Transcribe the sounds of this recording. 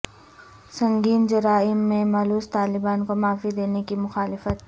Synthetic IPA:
sɐ̃ŋɡiːnd͡ʒʊɾaːɪmːẽmɐːluːst̪aːlɪbaːnkomaːfid̪eːnekimʊxaːlɪfət̪̚

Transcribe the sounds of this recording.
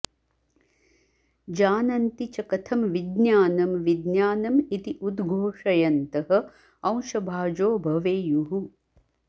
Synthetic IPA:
d͡ʒaːnɐnt̪it͡ʃɐkɐt̪ʰɐmʋid̪njaːnɐmʋid̪njaːnɐmit̪iʔud̪ɡʱoːʂɐjɐnt̪ɐɦɐ̆ | ɐ̃w̃ʃɐbʱaːd͡ʒoːbʱɐʋeːjuɦu

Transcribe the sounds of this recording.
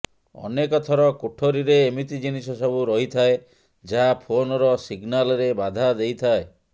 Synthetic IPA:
ɔ̰nekɔt̪ʰɔɾɔkoʈʰoɾiɾeːmit̪id͡ʒinisɔsɔbuɾɔɦit̪ʰae | d͡ʒaɦapʰonɔɾɔsiɡnalɔɾebad̪ʱad̪ejt̪ʰae

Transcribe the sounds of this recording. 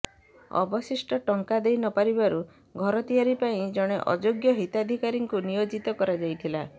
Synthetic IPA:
ɔ̰bɔsisʈɔʈɔŋkad̪ejnɔpaɾibaɾu | ɡʱɔɾɔt̪iaɾipaĩd͡ʒɔɽ̃eʔɔ̰d͡ʒoɡjɔɦit̪ad̪ʱikaɾiŋkunijod͡ʒit̪ɔkɔɾad͡ʒajt̪ʰila

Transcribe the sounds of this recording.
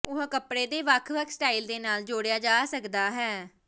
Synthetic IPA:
ʊɦkəpɽeːd̪eːʋəkʰʋəkʰsʈaːild̪eːnaːld͡ʒoːɽejaːd͡ʒaːsəkd̪aːɦɛː

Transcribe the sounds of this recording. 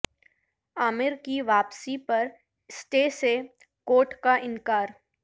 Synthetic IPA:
aːmɪɾkiʋaːpsipɐɾ | sʈeːse | koːʈkaʔɪ̃ŋkaːɾ

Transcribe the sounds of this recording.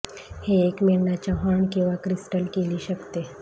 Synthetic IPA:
heːkmeɭnat͡ɕjaɦəɳkĩw̃ʋakɾisʈəlkeliːɕəkt̪e

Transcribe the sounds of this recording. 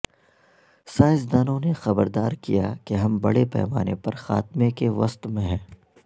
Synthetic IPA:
saːɪzd̪aːnõnexɐbəɾd̪aːɾkijakeɦɐmbɐɽepɛ̰ːmaːnḛpɐɾxa̰ːt̪mekeʋɐst̪mẽɦɛ̃ː

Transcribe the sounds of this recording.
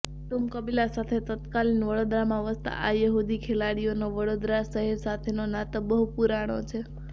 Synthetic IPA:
ʈumkəbilasat̪ʰet̪ət̪kalinʋəɽod̪ɾamãʋəst̪a̰ʔajəɦud̪ikʰelaɽijonaʋəɽod̪ɾaʃəɦɛɾsat̪ʰenonat̪obəɦupuɾaɽ̃ot͡ʃʰe

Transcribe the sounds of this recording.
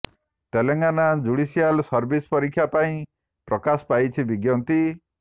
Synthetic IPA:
t̪eleŋɡanad͡ʒuɽisijalsɔɾbispɔɾikʰːjapaĩ | pɾɔkasɔ̥pajt͡ʃʰibiɡjɔnt̪i

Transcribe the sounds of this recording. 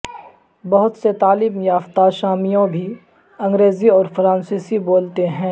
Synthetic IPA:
bɐɦʊt̪set̪aːlɪmjaːft̪aʃaːmijõbʱi | ɐ̃ŋɡɾeːziɔːɾfɾãːnsiːsiboːlt̪eɦɛ̃ː

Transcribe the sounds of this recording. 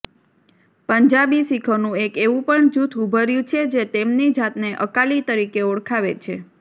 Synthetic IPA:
pəɲd͡ʒabisikʰənũekeʋũpəɳd͡ʒut̪ʰubʱəɾjũt͡ʃʰed͡ʒet̪emnid͡ʒat̪neʔəkalit̪əɾikeoɽkʰaʋḛt͡ʃʰe

